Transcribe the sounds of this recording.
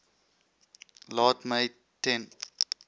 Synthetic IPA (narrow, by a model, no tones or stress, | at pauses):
lɑːtmej | tɛ̃n